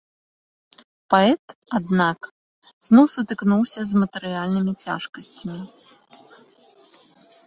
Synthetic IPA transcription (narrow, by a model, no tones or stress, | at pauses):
paɛt̪ad̪nak | z̥nɔwsɐt̪ɨknuwsʲɐzmɐt̪ɛɾɨjalʲnɨmʲit͡sʲa̰ʂkɐsʲt͡sʲɐmʲi